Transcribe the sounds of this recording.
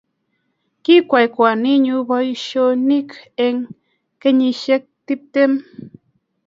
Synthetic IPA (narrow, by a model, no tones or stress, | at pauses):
kikʷajkʷaniɲubajʃonikeŋ | keɲiʃek̚t̪ip̚t̪em